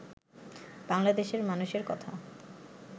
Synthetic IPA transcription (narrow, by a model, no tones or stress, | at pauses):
b̥aŋlad̪eʃeɾmanuʃeɾkɔt̪ʰa̰